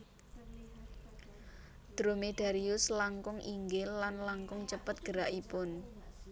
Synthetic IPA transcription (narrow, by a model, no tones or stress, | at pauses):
d̪̥ɾomeɖ̥a̤ɾiʊslaŋkʊŋʔiŋɡɪlːanlaŋkʊŋt͡ʃəpət̪̚ɡ̥əɾaʔipʊn